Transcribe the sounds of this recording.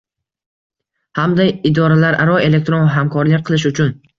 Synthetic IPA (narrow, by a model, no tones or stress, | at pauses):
hamd̪ajɪd̪ɒɾalaɾa̰ɾɒe̞le̞k̚t̪ɾonvaɦamkʰɒɾlɪk̚ʲqʰɨlˠɪʃ̬ʊt͡ʃʰʊn